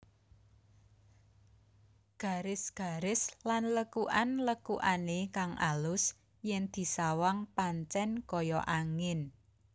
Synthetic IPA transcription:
ɡ̥ä̤ɾɪsɡ̥a̤ɾɪslanləkuʔanləkuʔanekaŋʔa̰lʊs | jɛnd̪̥i̤sawaŋpaɲt͡ʃɛnkɔjɔʔaŋɪn

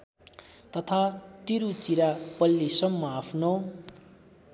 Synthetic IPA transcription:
t̪ʌt̪ʰat̪iɾut͡siɾapʌlːisʌmːʌapʰno

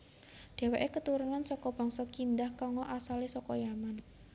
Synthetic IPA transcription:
d̪̥e̤weʔekət̪uɾunansɔkɔb̥aŋsɔkind̪ahkɔŋɔʔasalesɔkɔjaman

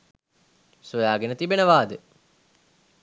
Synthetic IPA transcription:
sojaːɡenət̪ibenəʋaːd̪ə

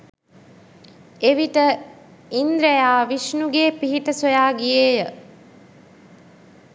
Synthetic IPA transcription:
eʋiʈə | ind̪ɾejaːʋiʃnuɡeːpiɦiʈəsojaːɡieːjə

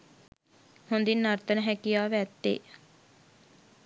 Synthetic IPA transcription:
hʊnd̪iːnəɾt̪ənɦɛːkɪjaːʋɛːt̪ːḛː

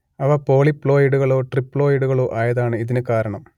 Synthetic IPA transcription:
ɐʋɐːpo̞ːɭipːɭo̞ːjiɽuɣɐɭoːʈripːɭo̞ːjiɽuɣɐɭoːʔaːjɐðaːɳɨiðinɨkaːɾɐɳɐm

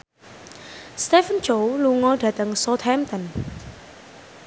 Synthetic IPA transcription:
st̪efənd͡ʒowluŋɔɖ̥a̤t̪əŋsɔt̪ʰɛmt̪ən

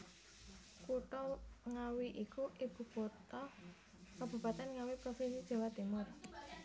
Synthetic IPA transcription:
kuʈɔŋawiʔikuʔib̥ṳb̥ɔt̪ɔ | kab̥ṳpat̪anŋawipɾofisid̥ʒ̥e̤wad̪imɔr

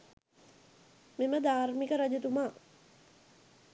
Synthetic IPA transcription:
meməd̪aːrmikəɾad͡ʒut̪umaː

